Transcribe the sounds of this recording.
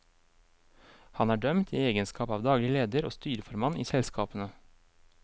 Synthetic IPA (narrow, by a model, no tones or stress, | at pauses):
hɑnæːɖœmt̪ʰḭːeːɡənskɑːpɑːʋd̪ɑːɡlɪəleːd̪əɾo̰ːst̪yːɾəfɔɾmɑnʔiːsɛlskʰɑːpənə